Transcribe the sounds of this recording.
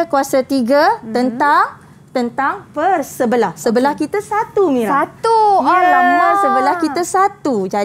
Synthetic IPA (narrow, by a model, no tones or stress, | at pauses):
kuasat̪iɡat̪ənt̪aŋ | t̪ənt̪aŋpərsəbəlahsəbəlahkit̪asat̪umĩɾaat̪ualamãsəbəlahkit̪asat̪ud͡ʒa